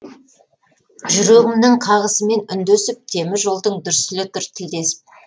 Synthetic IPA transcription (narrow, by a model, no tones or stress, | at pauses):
ʒʏɾeɣɪmd̪ɪɴqʰɑʁəsəme̞nʏnd̪esɪp̚t̪ʰe̞mɪʒəlˠd̪əɴd̪ʏɾsɪlɪt̪ʏɾt̪ʰid̪e̞sɪ̥p̚